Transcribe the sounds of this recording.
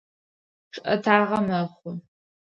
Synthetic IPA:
ʈ͡ʂʼʔɐ̰tʰaːʁɐmɐχʷʊ

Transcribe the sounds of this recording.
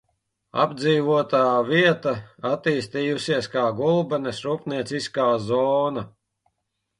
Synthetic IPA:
a̰bd̪ziːvuɔt̪aːviɛt̪aat̪iːst̪iːjusiɛskaːɡulˠbɛnesɾuːpniɛt̪siskaːzɔːna

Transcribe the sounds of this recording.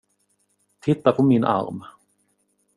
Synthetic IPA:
t̪ʰɪt̪ːapʰɔmɪnʔa̰ɾm

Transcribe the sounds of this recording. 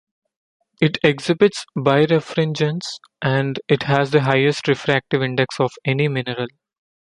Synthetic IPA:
ɪʈʰeɡzɪbɪʈsbaɪɾefɾẽnd͡ʒə̃ns | ʔæ̃ɳɖɪʈɦæzd̪əɦaɪesʈɾɪfɾæk̚ʈɪʋɪ̃ɳɖeksɔːʋɛnimɪnəɾəl

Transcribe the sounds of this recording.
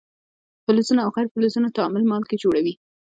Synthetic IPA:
fɪlʊsunaːwxajɾfɪlʊzunat̪ɑmɪlmɑlked͡ʒoɽawi

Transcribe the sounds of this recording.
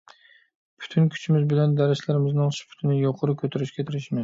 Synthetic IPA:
pʰʊ̥t̪ʰɪnkʲʰʊ̥t͡ʃʰɪmɪzbɪland̪aɾat͡ʃlaɾɪmɪznɪŋʃɪ̥pʰʊ̥t̪ʰɪnɪjoqʰʊɾɪkʲʰɵt̪ʰaɾɪʃkʲat̪ʰɪɾɪʃmɪn

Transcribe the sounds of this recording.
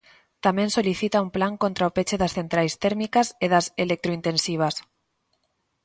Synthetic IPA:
t̪amẽnsoliθit̪aumplaŋkont̪ɾaopet͡ʃeðasθent̪ɾajst̪eɾmikaseðaselek̚t̪ɾoint̪ẽnsiβ̞as

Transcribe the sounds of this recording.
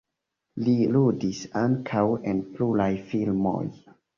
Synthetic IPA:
liludisaŋkʰawenpluɾajfilmo̰j

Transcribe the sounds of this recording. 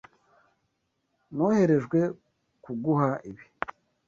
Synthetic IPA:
nohe̞ɾe̞ʒɡwe̞ | kuɡuɦaʔiβi̥

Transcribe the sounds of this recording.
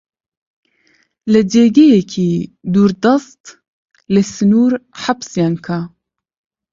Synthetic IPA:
ləd͡ʒeːɡejɛkʰiːd̪uːɾd̪ɑst̪ | ləsɨnuːɾħapsjaŋkʰa

